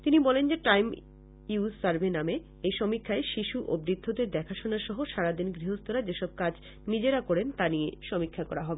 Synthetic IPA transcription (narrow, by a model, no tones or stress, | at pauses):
t̪inibɔlend͡ʑeʈajm | iussaɾbename | ejʃɔmikʰːaeʃiʃuʔobɾid̪ʱːod̪eɾd̪ɛkʰaʃonaɾʃɔɦoʃaɾad̪inɡɾiɦost̪oɾad͡ʑeʃɔb̚kad͡ʑ | nid͡ʑeɾakɔɾent̪anieʃɔmikʰːakɔɾaɦɔbe